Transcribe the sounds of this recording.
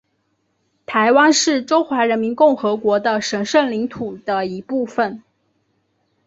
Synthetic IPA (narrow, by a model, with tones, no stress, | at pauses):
t̪ʰa˧˥ɪwa˥nʂɻ̩˥˩ʈ͡ʂo˥ʊxwa˧˥ɻə˧˥nmi˧˥nkʊ˥˩ŋxɤ˧˥kwɔ˧˥d̪ə˧ʂə˧˥nʂə˥˩nli˧˥ŋt̪ʰu˨˩d̪ə˦i˧˥pu˥˩fə˨˩n